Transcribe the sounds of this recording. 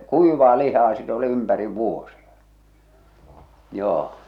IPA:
kuiʋɑː lihɑː sit oli ympæriʋ ʋuosiɑ̥ joː

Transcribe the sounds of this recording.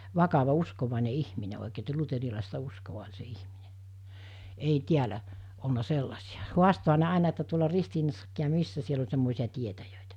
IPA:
ʋɑkɑʋɑ uskoʋɑˑine ihmine oˑikeː etːæ luterilɑˑistɑ uskoʋɑ olʲ se ihmine ei tiælæ olnɑ selːɑsiɑ huɑstohɑ ne ɑˑenɑ etːæ tuolɑ ristiːnɑsːɑkːiː jɑ misːæ siel olʲ semːoˑesiɑ tietæjøˑitæ

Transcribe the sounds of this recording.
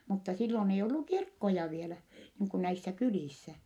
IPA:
mutːɑ silːon ei olːu kirkːojɑ ʋielæ niːŋ kun næisːæ kyliˑsːæ

